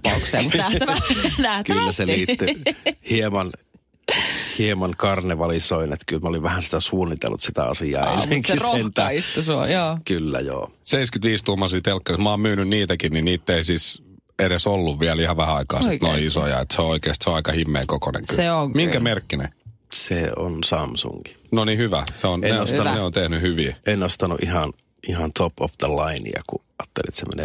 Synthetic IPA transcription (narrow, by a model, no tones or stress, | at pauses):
pɑukseːut̪æ | næhtkylːæseliːt̪ːyhiemɑn | hiemɑnkɑrneʋɑlisoinet̪kylmæoliʋʋæhænsi̥t̪æsuːnːit̪ḛlːṵt̪sit̪æ̰ɑ̰siɑ̰ːḛneŋkient̪æist̪usuɑ̰joːkylːæ̰jo̰ːseiskyt̪ʋiːst̪uhmːɑsiːt̪elkːɑrismɑːmmyːnynniːt̪ækinninniːt̪ːeisis | eɾesolːuʋʋiælihɑʋæhæɑikɑːsinoiisojɑ̰et̪seooikeːst̪seoɑikɑhimːḛːkokonḛŋkyeoŋmiŋkæmerkːinḛ | seonsɑmsṵŋɡ̥i̥noniːhyʋæseonneosneont̪ehnyhyʋiːenost̪ɑnṵʔihɑn | ʔihɑnt̪ʰopofd̪əlɑinḭɑ̰ku | ɑːt̪ːelḭt̪semḛnḛ